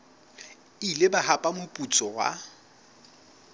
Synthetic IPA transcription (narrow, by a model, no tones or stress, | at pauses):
ilebaɦapʼamʊpʼut͡sʼɔwa̰